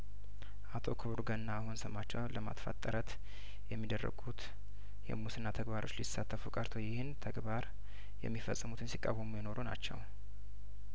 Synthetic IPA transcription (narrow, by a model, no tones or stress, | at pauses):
ʔat̪ʰo̞̰kʰɨβɨɾɡənːaːhonsəmat͡ʃːɛwləma̰t̪fa̰t̪ʼːəɾət̪ | jɛmːid̪ərːə̰ɡut̪ | jɛ̰musɨnːat̪ʰəɡbaɾo̞t͡ʃːlisat̪ʰːəfukʼəɾt̪ʰo̞jɪhɨnt̪ʰəɡbaɾ | jɛ̰mːifəsʼːɨmut̪ʰɨnsikʼːawːəmujɪno̞ɾuna̰t͡ʃːɛ̰w